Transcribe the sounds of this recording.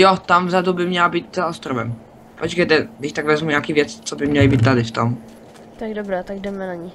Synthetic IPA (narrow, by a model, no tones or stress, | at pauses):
jot̪amvzadubɪmɲɛlabiːt̪zaost̪ɾovɛm | pot͡ʃkɛjt̪ɛɡd̪ɪʃt̪aɡvɛzmuɲaːkivjɛt͡st͡sobɪmɲɛlɪbiːt̪̚t̪adɪft̪om | t̪aɡdobɾaːt̪aɡdɛmɛnaɲɪ